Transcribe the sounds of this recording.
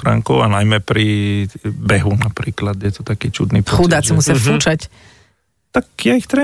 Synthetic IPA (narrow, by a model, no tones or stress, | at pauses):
ɾa̰ŋkɔʊanajmɛpɾi | bɛɦunapɾiːklad̪jɛt̪ɔ̥t̪akiːt͡ʃud̪nipxud̪at͡simusafuːt͡ʃac | t̪akjaixt̪ɾɛ